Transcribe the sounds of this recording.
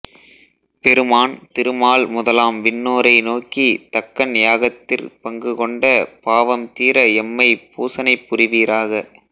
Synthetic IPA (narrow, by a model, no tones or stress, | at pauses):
pɛɾɯmaːnt̪ɪɾɯmaːlmʊðɐlaːmʋɪnːoːɾɐɪnoːkit̪ɐkːɐnjaːɣɐt̪ːɪrpɐŋɡɯkɔɳɖɐpaːʋɐmt̪iːɾɐɛmːɐɪpuːsɐnɐɪpːʊrɪʋiːɾaːɣɐ